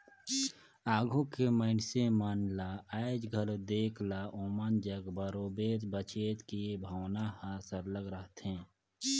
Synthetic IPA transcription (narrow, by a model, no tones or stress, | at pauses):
aːɡʱõkeməɪnsemənlaəed͡ʒɡʱəld̪eːkʰlaʔoːmənd͡ʒəɡbəɾoːbeːɾbət͡ʃeːt̪kibʱəwnahasəɾləɡɾəɦt̪ɛ̃ː